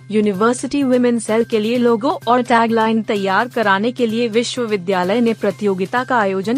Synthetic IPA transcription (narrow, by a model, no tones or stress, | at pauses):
juːnɪʋəːɾsɪʈiʋɪmɛ̃nsɛːlkelieloːɡõʔɔːʈɛːɡlaːɪnt̪ɐjːaːɾkɐɾaːnekelieʋɪʃwəʋɪd̪jaːləjnepɾɐt̪ɪjoːɡɪt̪akaaːjoːd͡ʒən